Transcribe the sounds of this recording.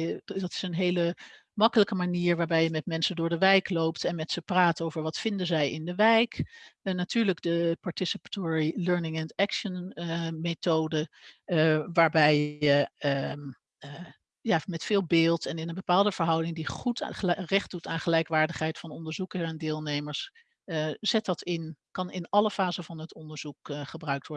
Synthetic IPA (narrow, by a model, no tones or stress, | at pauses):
dɑtɪ̥sənɦejlə | mɑkələkəmaniːɹʋaːɹbɛjəmɛtmɛnsəndʊːɹdəʋɛjklowptɛnmɛtsəpraːtowvəɹʋɑtfɪndəzɛjɪndəʋɛjkənatyːɹləɡdəpɑɹtɪsəpḁtʊɹiløɹnɪŋɛndɛkʃənmetowdə | ʋaːɹbɛjə | jaːmɛtfɪːlˠbɪːlˠtɛnɪnənbəpaːlˠdəv̥əɹɦʌwdɪŋdiχutrɛχ̚dutaːnχəlɛjkʋaːɹdəχɦɛjtfɑnɔndəɹzukəsɛndɪːlˠnejməɹs | z̥ɛt̚dɑtɪnkɑnɪnɑləfaːzəvɑnɦətɔndəɹz̥ukχəbrœɥk̚tʋɔɹ